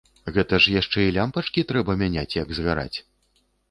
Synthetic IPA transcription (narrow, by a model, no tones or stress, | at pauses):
ɣɛt̪ɐʂjaʂt͡ʂɛilʲampɐt͡ʂkʲit̪ɾɛbɐmʲanʲat͡sʲjɐɡzɣaɾa̰t͡sʲ